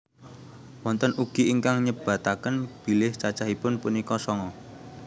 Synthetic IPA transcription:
wɔnt̪ənuɡ̥iiŋkaŋɲəb̥ä̤t̪akənb̥i̤lɪht͡ʃat͡ʃaɦipʊnpunikɔsɔŋɔ

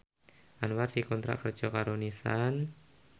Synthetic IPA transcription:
ʔanward̥ikɔnt̪ɾa̰ʔkərd͡ʒɔkaɾonisan

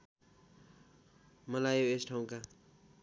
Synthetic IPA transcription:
mʌlajoesʈʰaw̃ka

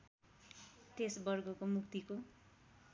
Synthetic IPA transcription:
t̪esbʌrɡʌkomukt̪iko

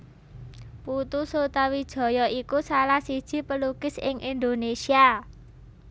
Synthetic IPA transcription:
put̪usot̪awid̥ʒ̥ɔ̤jɔikusalahsid̥ʒ̥i̤pəlukɪsɪ̰ŋʔind̪onesia

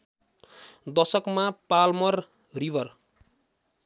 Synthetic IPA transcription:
d̪ʌsʌkmapalmʌr | ribʌr

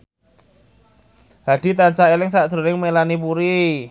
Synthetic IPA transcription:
haɖ̥i̤t̪ant͡ʃaelɪŋsaʔd̪̥ɾo̤ɾɪŋmelanipuɾi

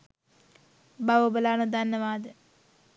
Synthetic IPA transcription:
baʋobəlaːnud̪anːəʋaːd̪ə

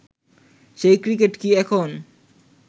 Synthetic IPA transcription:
ʃejkɾikeʈkiɛkʰon

